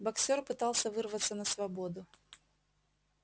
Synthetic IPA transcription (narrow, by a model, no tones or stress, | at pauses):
bɐksʲorpɨt̪alˠsʲəvɨrvət̪sːənəsvɐbod̪ʊ